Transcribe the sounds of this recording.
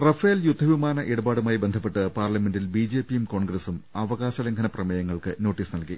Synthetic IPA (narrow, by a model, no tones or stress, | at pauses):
rɐfɐɐljud̪ʱːɐʋimaːnɐʔeɽubaːɽumaːjbe̞nd̪ʱɐpːe̞ʈːɨpaːrlɐme̞ndilbiːd͡ʑe̞ːpːijumko̞ːɳɡɾɐsumɐʋɐɣaːɕɐleŋɡʰɐnɐprɐmɐjɐŋːɐɭkɨno̞ːʈːiːsnɐlki